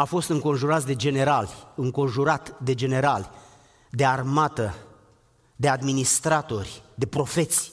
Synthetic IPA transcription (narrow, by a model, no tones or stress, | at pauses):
afo̞st̪ɨŋko̞nʒuɾat̪sʲd̪e̞d͡ʒe̞neɾalʲɨŋko̞nʒuɾat̪d̪e̞d͡ʒe̞ne̞ɾalʲ | d̪e̞armat̪ə | d̪e̞ad̪minist̪ɾat̪o̞rʲd̪e̞pɾo̞fe̞t̪sʲ